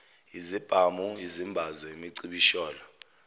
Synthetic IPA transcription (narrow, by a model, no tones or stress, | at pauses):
izib̥ʱamuizimbʱazɔemiǀiɓiʃɔːlɔ